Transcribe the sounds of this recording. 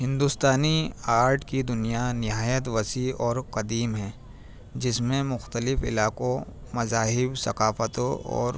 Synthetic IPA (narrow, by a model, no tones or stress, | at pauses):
ɦɪ̃nd̪ust̪aːniaːɾʈkid̪ʊnijanɪɦaːjət̪ʋɐsiɔːɾqɐd̪iːmɦɛ̃ː | d͡ʒɪsmẽmʊxt̪əlɪfɪ̰laːqõ | mɐzaːɦɪbsɐqaːfət̪õɔ̰ːɾ